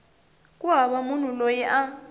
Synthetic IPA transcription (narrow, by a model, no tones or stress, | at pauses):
kʼuɦaɓamunulojɛʔa